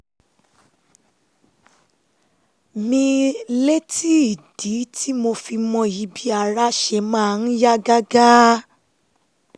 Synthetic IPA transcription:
mĩ˧le˦ti˦i˨d̥i˨˦tʰi˦mo˧fi˧mɔ̃˧ji˧bi˦a˧ɾa˦ʃɛ˧˨mãː˦˨˧n̩˦ja˦ɡa˦ɡa˦

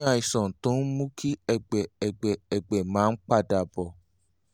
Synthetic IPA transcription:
a˨˧˨i˨sɔ̃˨to˨˦n̩˦mũ˦kʰi˦ɛ˦˧ɡ͡bɛ˨ɛ˨ɡ͡bɛ˨ɛ˨ɡ͡bɛ˨mãː˨˦n̩˦k͡pa˦˨da˨bɔ˨

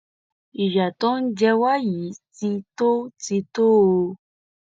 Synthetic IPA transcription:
i˨ʃa˨to˦n̩˦d͡ʒɛ˧wa˦ji˨˦ti˧to˦ti˧to˦o˧

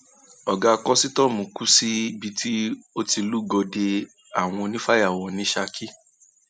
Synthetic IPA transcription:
ɔ˨ɡa˧kɔ˦si˦tɔ˦˨mũ˨ku˦si˦bi˧tʰi˦o˦ti˧lu˦ɡɔ˧de˧ | a˨w̃ɔ̃˧nĩ˦fa˦ja˦˨wɔ̃˧nĩ˨˦ʃa˧kʰi˦

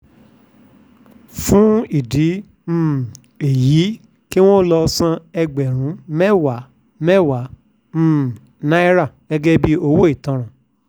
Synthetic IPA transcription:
fũ˦i˨di˨˦ | m̩˦˨ | e˨ji˨˦ | ki˦w̃ɔ̃˦lɔ˧sã˧ɛ˧ɡ͡bɛ˨ɾ̃ũ˨˦mɛ˦wa˨˦ | mɛ˦wa˨˦ | m̩˦˨ | nã˦i˦ɾa˦˨ɡ̥ɛ˧ɡɛ˦bi˦o˧wo˦i˦˨tɔ̃˧ɾ̃ã˨

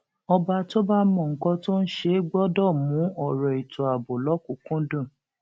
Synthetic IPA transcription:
ɔ˧ba˧to˦ba˦mɔ̃˦˨ŋ̩˨kɔ̃˧to˦n̩˦ʃe˧˦ɡ͡bɔ˦dɔ˦˨mũ˨˦ɔ˨ɾɔ˨i˨tʰo˨a˨bo˨lɔ˨˦ku˨˦kũ˦dɔ̃˦˨

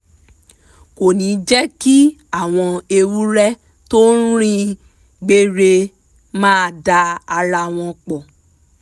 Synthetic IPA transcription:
ko˨nĩ˨˦d͡ʒɛ˦ki˦a˦˨w̃ɔ̃˧e˧wu˦ɾɛ˦ | to˦n̩˦ɾ̃ĩ˦ | ɡ͡be˧ɾe˧ | mãː˦˧˨da˧a˧ɾa˧˨w̃ɔ̃˧k͡pɔ˨

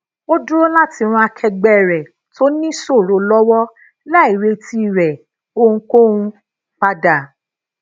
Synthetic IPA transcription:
o˦du˦ɾo˦la˦ti˧ɾ̃ũ˧˦a˧kʰɛ˧ɡ͡bɛ˦˨ɾɛ˨ | tʰo˦nĩ˦so˦˨ɾo˨˦lɔ˦wɔ˦ | la˦˨i˨ɾe˧ti˧˦˨ɾɛ˨ | o˧ũ˧ko˦ũ˧˦ | k͡pa˧da˨

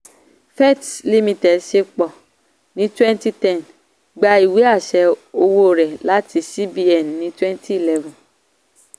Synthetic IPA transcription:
fɛ˦˨tli˦˧mĩ˧tɛ˨dʃe˧k͡pɔ˨ | nĩ˨˦twɛ̃˦nti˦tɛ̃˦˨n | ɡ͡ba˧i˨we˨˦a˦˨ʃɛ˨˧o˧wo˦˨ɾɛ˨la˨˦ti˧si˦bi˦ɛ˨nːĩ˨˦twɛ̃˦nti˦i˦˨lɛ˦vɔ̃˨

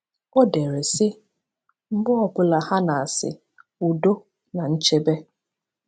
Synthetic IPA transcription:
o˦de˨ɾe˨sɪ˦ | m̩˦bʊ˦ɔ˨kʊ˨la˨ha˦na˨a˨sɪ̰˨ | u˨do˦ | na˨n̩˦t͡ʃe˦be˦

